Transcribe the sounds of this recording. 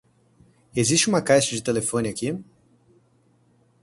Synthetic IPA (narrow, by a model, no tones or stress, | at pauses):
ezist͡ʃɪũmɐkaʃɐd͡ʒɪt̪elefõnɪaki